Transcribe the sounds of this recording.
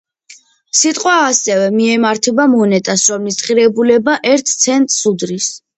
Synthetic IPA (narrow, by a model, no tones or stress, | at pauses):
sit̪ʼqʼwaːsɛvɛmiɛmaɾt̪ʰɛbamɔnɛt̪ʼasɾɔmlisχʼiɾɛbulɛbaʔɛɾt̪ʰt̪sʰɛnt̪ʼsud̪ɾis